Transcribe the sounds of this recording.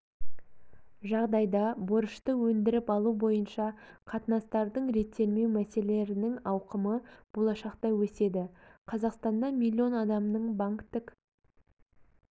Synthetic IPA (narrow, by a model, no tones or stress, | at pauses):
ʒɑʁd̪ɑjd̪ɑboɾəʃt̪əwɵnd̪ɪɾɪpɑlˠubo̞jənʃɑqʰɑt̪ənɑst̪ɑɾd̪əɴɾe̞t̪ʰːe̞lme̞wmæse̞le̞ɾɪnɪŋɑwqəməb̥o̞lˠɑʃɑqt̪ɑwɵse̞d̪ɪqʰɑzɑqst̪ɑnd̪ɑmʲilʲːio̞nɑd̪ɑmnəɴbaŋkt̪ɪk